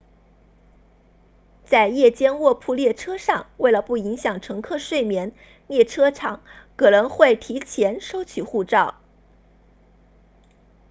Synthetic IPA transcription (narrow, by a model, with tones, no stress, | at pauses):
t͡sa˥˧ɪjɛ˥˩t͡ɕjɛ˥nwɔ˥˧pʰu˥˧ljɛ˥˩ʈ͡ʂʰɤ˥ʂɑ˥˧ŋwe˥˩ɪlə˩pu˥˩i˧˥ŋɕjɑ˨˩ŋʈ͡ʂʰɤ˧˥ŋkʰɤ˥˧ʂwe˥˩ɪmjɛ˧˥n | ljɛ˥˩ʈ͡ʂʰɤ˥ʈ͡ʂʰɑ˨˩˦ŋkʰɤ˨˩nɤ˧˥ŋxwe˥˩ɪt̪ʰi˧˥t͡ɕʰjɛ˧˥nʂo˥ʊt͡ɕʰy˨˩xu˥˧ʈ͡ʂɑ˥˩ʊ